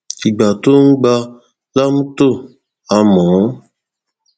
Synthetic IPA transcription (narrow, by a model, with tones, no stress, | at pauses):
i˨ɡ͡ba˨to˦ŋ̩˦ɡ͡ba˦ | la˦m̩˦to˦˨ | a˨mɔː˨˦